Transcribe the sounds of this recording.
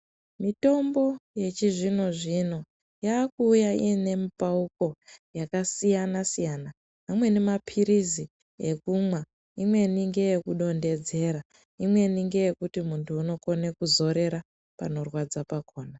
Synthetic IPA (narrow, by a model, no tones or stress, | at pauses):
mito̞mbo̞je̞t͡ʃiʐino̞ʐino̞ | jaːkuːjaḭene̞mipauko̞jakasijanasijana | ɦamwe̞nemapʰiɾizi | ekumwa | imwe̞niŋɡe̞jekuɗo̞nde̞d͡ze̞ɾa | imwe̞niŋɡe̞je̞kutimuntʰuːno̞ko̞ne̞kuzo̞ɾe̞ɾa | pa̰no̞rwad͡zapakoːna